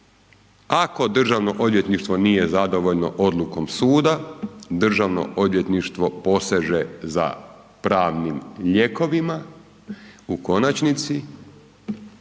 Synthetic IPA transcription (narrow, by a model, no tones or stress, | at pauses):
ako̞d̪r̩ʒaʋno̞ʔo̞d̪ʋje̞t̪niʃt̪ʋo̞nije̞zad̪o̞ʋo̞ʎno̞̰ʔo̞d̪lˠuko̞msuːd̪ad̪r̩ʒaʋno̰ʔo̞d̪ʋje̞t̪niʃt̪ʋo̞po̞seʒeza̰ | pɾaːʋnimʎe̞ko̞ʋima | uko̞nat͡ʃnit̪si